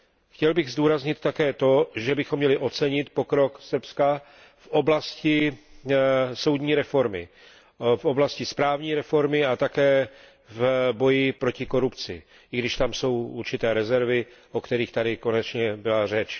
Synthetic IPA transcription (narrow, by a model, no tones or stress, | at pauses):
xcɛlbɪɣzd̪uːɾazɲɪt̪ːakɛːt̪o̞ʒɛbɪxomːɲɛlɪʔo̞t͡sɛɲɪt̪po̞kɾo̞ksr̩pska | fʔo̞blascɪ | so̞wd̪ɲiːɾɛfo̞ɾmɪ̰ | fʔoblascɪspɾaːvɲiːɾɛfo̞ɾmɪat̪akɛː | vbo̞jɪpɾo̞cɪko̞ɾupt͡sɪ̰ | ʔɪɡdɪʃt̪amso̞wuɾt͡ʃɪt̪ɛːɾɛzɛɾvɪʔokt̪ɛɾiːxt̪adɪko̞nɛt͡ʃɲɛbɪlar̝ɛt͡ʃ